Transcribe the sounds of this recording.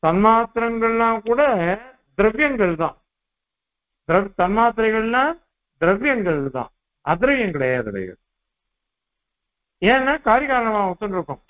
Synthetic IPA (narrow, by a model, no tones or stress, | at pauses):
t̪ɐnmaːt̪ɾɐŋɡɐɭlãːkuːɽɐ | d̪ɪɾɐʋjɐŋɡɐɭt̪ã̰ː | d̪ɪɾɐʋt̪ɐnmaːt̪̬ɪɾɐɪɣɐɭlãː | d̪ɪɾɐʋjɐŋɡɐɭt̪ã̰ː | ɐd̪ɪɾɐʋjɐŋkɪɽɐjaːðɯ̰ɾɐ̰ɪɣɐ̰ | eːɛnːaːkaːɾjɐɣaːɾɐɳɐmãːʊt̪ːɯnɾɯkːʊ̃